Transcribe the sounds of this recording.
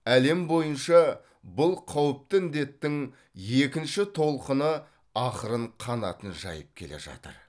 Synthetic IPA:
æle̞mbojənʃɑ | bʊlˠqʰɑwəp̚t̪əɪnd̪e̞t̪ːɪŋ | je̞kʲɪnʃɪt̪ʰo̞lˠqənə | ɑχəɾəɴqʰɑnɑ̰t̪ənʒɑ̰jəp̚kʲʰe̞le̞̰ʒɑ̰t̪ə̰ɾ

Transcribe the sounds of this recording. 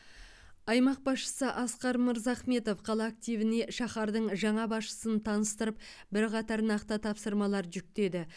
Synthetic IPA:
ɑjmɑq̚bɑsʃə̥səʔɑsqɑɾməɾzɑχme̞t̪o̞fqʰɑlˠɑːk̚t̪ijvɪne̞ʃɑχɑɾd̪əɴʒɑɴɑbɑsʃə̥sənt̪ʰɑnəst̪əɾəp | bɪɾqɑt̪ɑɾnɑqt̪ət̪ʰɑpsəɾmɑlˠɑɾʒʏk̚t̪e̞d̪ɪ

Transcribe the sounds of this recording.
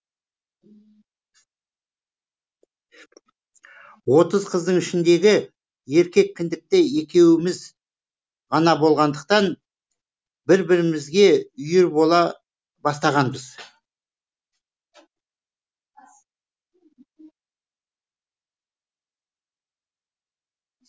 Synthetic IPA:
wo̞t̪əzqʰəzd̪əɴɪʃɪnd̪e̞ɡʲɪ | je̞ɾkʲe̞k̚ʲkʲʰːɪnd̪ɪk̚t̪ee̞kʲe̞wɪmɪz | ʁɑnɑbo̞lˠʁɑnd̪əq̚t̪ɑn | bɪɾbɪɾɪmɪzɡʲe̞ʏjɪɾbolˠɑ | bɑst̪ɑʁɑnbəz

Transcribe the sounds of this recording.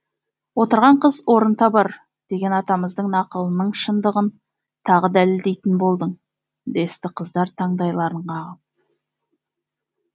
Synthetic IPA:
wo̞t̪əɾʁɑɴqʰəzwo̞ɾənt̪ɑbɑɾ | d̪̥e̞ɡʲe̞nɑt̪ɑməzd̪əɴnɑqəlˠənəɴʃənd̪əʁən | t̪ʰɑʁəd̪æleɪld̪e̞jt̪ɪnbo̞lˠd̪əɴ | d̪e̞st̪ɪqʰəzd̪ɑɾt̪ʰɑɴd̪ɑjlˠɑɾəɴqɑʁəp̚

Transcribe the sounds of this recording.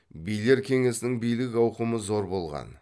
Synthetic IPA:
bijle̞ɾkʲʰe̞ŋe̞sɪnɪŋbijlɪkɑwqəməzo̞ɾbo̞lˠʁɑ̰n

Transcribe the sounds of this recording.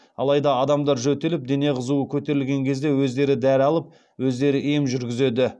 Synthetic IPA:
ɑ̰lˠɑjd̪ɑɑd̪ɑmd̪ɑɾʒɵt̪ːe̞lɪp̚d̪e̞ne̞qʰəzuəkʲʰɵt̪e̞ɾɪlɡʲe̞ŋkʲʰe̞zd̪e̞wɵzd̪e̞ɾɪd̪æɾɑlˠəp̚ | wɵzd̪e̞ɾɪʔemʒʏɾɡʲɪze̞d̪ɪ

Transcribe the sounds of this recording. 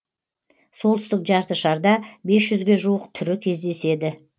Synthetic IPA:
so̞lˠt̪ʰʏst̪ɪkʒɑɾt̪əʃɑɾd̪ɑbe̞sʒʏzɡʲe̞ʒuəqt̪ʰʏɾɪkʲʰe̞zd̪e̞se̞d̪ɪ

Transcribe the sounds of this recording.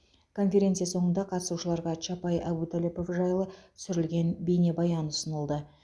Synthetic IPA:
kʰo̞nfʲe̞ɾe̞t̪sɨjaso̞ɴənd̪ɑqʰɑt̪ə̥suʃəlˠɑɾʁɑt͡ʃapɑjabut̪ʰolʲipo̞fʒɑjlˠəsʏɾɪlɡʲe̞nbejne̞bɑjɑnʊsənəlˠd̪ə

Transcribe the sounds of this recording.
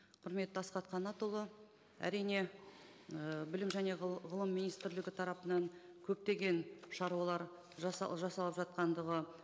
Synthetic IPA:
qʰʊɾme̞t̪ːəɑsqɑt̪qʰɑnɑt̪ulˠə | æ̰ɾijne̞ | əbɪlɪmʒæne̞ʁʁəlˠəmːinijst̪ɪɾlɪɡʲɪt̪ʰɑɾɑpənɑɴ | kʲʰɵp̚t̪e̞ɡʲe̞nʃɑɾuɑlˠɑɾ | ʒɑsɑ̰ʒɑsɑlˠəpʒɑt̪̚qɑnd̪əʁə

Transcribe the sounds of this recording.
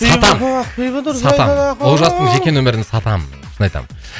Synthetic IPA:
sɑt̪ɑm | sɑt̪ɑwolˠʒɑst̪əɴʒe̞kʲe̞nwɵmeɾɪnsɑt̪ɑm | ʃənɑjt̪ɑ̰m

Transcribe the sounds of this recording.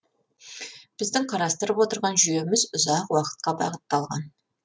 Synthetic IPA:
b̥ɪzd̪ɪŋqʰɑɾɑst̪əɾəpwo̞t̪əɾʁɑnʒyje̞mɪzʊzɑqwɑqə̥t̪̚qɑbɑ̰ʁət̪ːɑlˠʁɑ̰n

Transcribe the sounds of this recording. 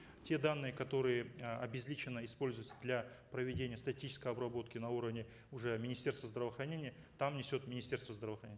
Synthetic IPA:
tʲe̞d̪anːɨjəkɐt̪o̞ɾɨjəɐbʲɪzʲlʲit͡ɕɪnːəɪspo̞lʲzʊjɪt̪səd̪lʲa | pɾəvʲɪdʲenʲɪjəst̪ɐtʲit͡ɕɪ̥skəjɐbɾɐbo̞t̪kʲɪnɐuɾəvnʲɪ | ʊʐɛmʲɪnʲɪsʲtʲe̞rst̪vəzd̪ɾəvəxɾɐnʲenʲɪjə | t̪amnʲɪsʲo̞t̪mʲɪnʲɪsʲtʲe̞rst̪vəzd̪ɾəvəxɾɐnʲenʲ

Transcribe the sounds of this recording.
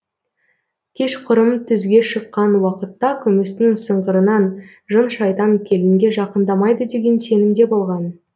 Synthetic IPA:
kʲʰe̞ʃqʰʊɾəmt̪ʰʏzɡʲe̞ʃəqːɑnwɑqət̪ːɑkʲʰʏmɪsnɪŋsəɴʁəɾənɑn | ʒənʃɑjt̪ɑŋkʲʰe̞lɪŋɡʲe̞ʒɑqənd̪ɑmɑjd̪əd̪e̞ɡʲe̞nse̞nɪmd̪e̞bo̞lˠʁɑn

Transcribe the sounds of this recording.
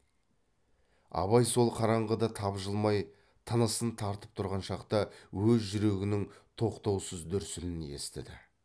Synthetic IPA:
ɑ̰βɑjso̞lˠqʰɑɾɑɴʁəd̪ɑt̪ʰɑbʒəlˠmɑj | t̪ʰɑnɑsənt̪ʰɑɾt̪əp̚t̪ʰʊɾʁɑnʃɑqt̪ɑwɵzʒʏɾe̞ɡʲɪnɪŋt̪ʰo̞qt̪ɑwsəzd̪ʏɾsɪnɪne̞̰st̪ɪ̰d̪ɪ

